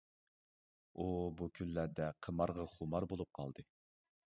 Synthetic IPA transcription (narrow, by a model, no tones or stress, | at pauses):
ubukʲʰylːæɾd̪ɛqʰəmɑɾʁɑχʊmɑɾbolˠup̚qʰɑ̰lˠd̪ɨ